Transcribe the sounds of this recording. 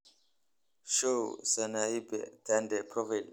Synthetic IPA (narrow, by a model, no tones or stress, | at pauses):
ʃosanaibɛ̰d̪̥andɛpʰɾɔvil